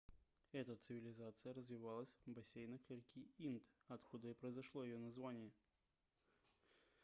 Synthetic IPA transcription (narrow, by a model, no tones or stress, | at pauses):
ɛt̪ət̪sɨvʲɪlʲɪzat̪sɨjəɾəzvʲɪvalˠəsʲvbɐsʲejnəkʲɪɾʲkʲiint̪ɐt̪kud̪əipɾəɪzɐʂlˠojɪjonɐzvanʲɪjə